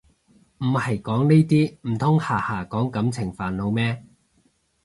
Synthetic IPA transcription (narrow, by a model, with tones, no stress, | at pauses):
m̩˨˩hɐ˨˩jkɔː˨˥ŋneː˥t̪iː˥m̩˨˩t̪ʰʊ˥ŋhaː˨haː˨˩kɔː˨˥ŋkɐ˨˥mt͡sʰɪ˨˩ŋfaː˨nlo˨˧wmɛː˥